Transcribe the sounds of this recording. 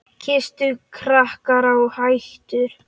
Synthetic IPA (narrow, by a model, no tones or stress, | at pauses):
cʰɪst̪ʏkʰɾahkaɾawhajht̪ʏɾ̥